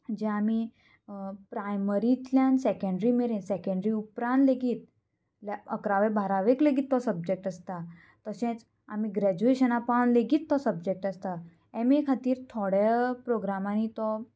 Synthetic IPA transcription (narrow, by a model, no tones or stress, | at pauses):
d͡ʑɛ̃ami | pɾajməɾit̪ljansɛkə̃ɳɖɾimeɾẽnsɛkə̃ɳɖɾiupɾãnleɡiːt̪̚ | laəkɾaʋebʱaɾaʋekleɡiːt̪ːɔsəb̚d͡ʑek̚ʈəst̪a | t̪əsẽt͡s | amiɡɾɛd͡ʑueɕənapanleɡiːt̪ːɔsəb̚d͡ʑek̚ʈəst̪a | emekʰat̪iːɾt̪ʰɔɽepɾoɡɾamanit̪ɔ